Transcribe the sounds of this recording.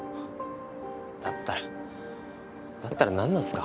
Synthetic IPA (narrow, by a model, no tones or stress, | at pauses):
t̪at̪ar | t̪at̪arnanːaska